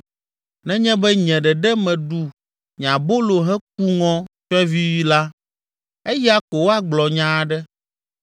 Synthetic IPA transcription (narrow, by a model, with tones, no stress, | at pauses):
nɛ̃˦ɲɛ̃˦bɛ˦ɲɛ̃˨ɖɛ˨ɖɛ˦mɛ̃˨ɖu˦ | ɲã˨bo˦lo˨ɦɛ˦k̚u˦ŋɔ̃˦t͡ʃɔ˦ɛ˦vi˦wi˦la˦ | e˦jɛ˦a˦ko˨wo˦a˦ɡ͡blɔ˨ɲã˦ɖɛ˦